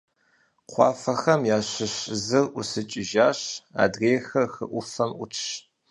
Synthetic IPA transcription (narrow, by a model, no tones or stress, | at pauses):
qʷɑ̰ːfɐxɐmjaːɕɪɕzɨrʔʊsɨt͡ʃʼɪʒaːɕa̰ːdreːxɐrxɨ̰ʔʷʊfɐmʔʷʊ̰tʰʃ